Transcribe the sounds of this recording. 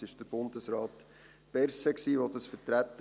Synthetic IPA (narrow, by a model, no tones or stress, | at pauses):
ɪʃd̥əɾb̥ʊndəsɾaːt | pɛɾsəksiːʋodɑsfəɾtɾæt̪ː